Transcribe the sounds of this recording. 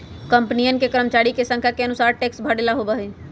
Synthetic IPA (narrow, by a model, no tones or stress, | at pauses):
kə̃mpnijənkekəɾəmət͡ʃaːɾikesə̃ŋkʰjakeənʊsaːɾʈeːksbʱəɽelaɦobaɦeː